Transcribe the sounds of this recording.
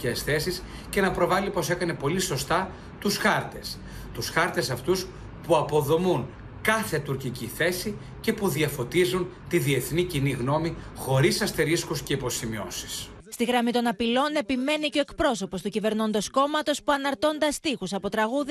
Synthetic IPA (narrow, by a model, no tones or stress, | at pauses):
esθe̞sis | ce̞nɐpɾo̞vɐlipo̞se̞kɐne̞po̞liso̞st̪ɐ | t̪usxɐɾt̪e̞s | t̪usxɐɾt̪e̞sɐft̪us | puɐpo̞ðo̞mun | kɐθe̞t̪uɾciciθe̞si | ce̞puðiɐfo̞t̪izun | t̪iðie̞θniciniɣno̞mixo̞ɾisɐst̪eɾiskusce̞ipo̞simio̞̰si̥s | st̪iɣɾɐmit̪o̞nɐpilo̞ne̞pime̞niceoekpɾo̞so̞po̞st̪ucive̞ɾno̞nd̪o̞sko̞mɐt̪o̞spuɐnɐɾt̪o̞nd̪ɐst̪ixusɐpo̞t̪ɾɐɣuð